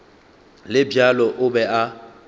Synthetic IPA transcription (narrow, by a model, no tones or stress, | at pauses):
lɪbjalɔʔʊbɛʔa